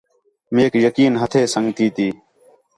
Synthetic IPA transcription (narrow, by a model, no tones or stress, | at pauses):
meːkjəkiːnɦət̪ʰeːsəŋɡt̪iːt̪iː